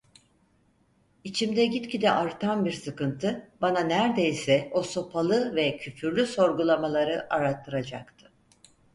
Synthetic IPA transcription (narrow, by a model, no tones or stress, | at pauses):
it͡ʃʰimd̪ɛɟit̪cʰid̪ɛʔaɾt̪ʰanbiɾsɯkɯnt̪ʰɯbananæɾd̪e̞jsɛo̞so̞pʰalˠɯvɛcʰyfyɾlʲyso̞ɾɡulˠamalˠaɾɯʔaɾat̪ʰːɯɾad͡ʒakt̪ʰɯ̥